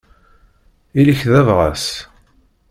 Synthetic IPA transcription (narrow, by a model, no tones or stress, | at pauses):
iləçðævʁa̰s